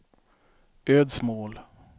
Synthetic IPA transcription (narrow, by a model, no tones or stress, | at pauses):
øːd̪smoːl